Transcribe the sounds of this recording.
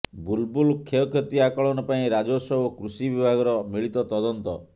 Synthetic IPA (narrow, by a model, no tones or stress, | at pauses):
bulbulkʰːeɔkʰjet̪iakɔɭɔnɔpaĩɾad͡ʒosɔɦukɾusibibʱaɡɔɾɔmiɭit̪ɔt̪ɔd̪ɔnt̪ɔ